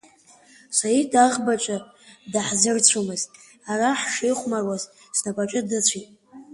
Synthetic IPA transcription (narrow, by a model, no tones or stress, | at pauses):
sajitʼaʁbat͡ʃʷʼa | daħzɨrt͡ɕʷʰumɨztʼ | araħʂijχʷmarwaz | snapʼat͡ʃʷʼɪdat͡ɕʷʰitʼ